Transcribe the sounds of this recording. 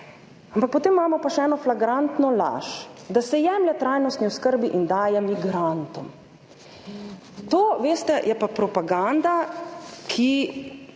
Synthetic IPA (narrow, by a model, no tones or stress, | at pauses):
ampak̚pot̪eːmːaːmɔpaʃɛɛːnɔflaɡɾant̪nɔla̰ʃd̪asɛjɛːmljɛt̪ɾajnɔst̪niɔskəɾbiʔind̪aːjɛmiɡɾant̪ɔm | t̪oːʋeːst̪ɛjɛpapɾɔpaɡand̪a | kʰi